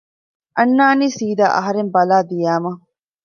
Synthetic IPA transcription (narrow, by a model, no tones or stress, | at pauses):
ʔɐnːaːniːsiːd̪a̰ːʔɐ̰ɦɐɾembɐlaːd̪ijaːmɐ